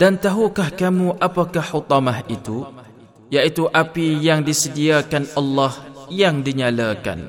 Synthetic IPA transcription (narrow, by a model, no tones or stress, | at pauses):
d̥ant̪aɦukahkamũʔapakahhut̪ɑmahit̪u | jaʔit̪uʔapijaŋdisədiakanɑlːɑhjaŋdiɲalaka̰n